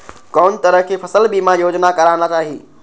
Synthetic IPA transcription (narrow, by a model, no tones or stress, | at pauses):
kɔːnt̪ɐɾəɦkʰepʰɐsəlbimãjoːd͡ʑnakɐɾaːnat͡ʃaːɦi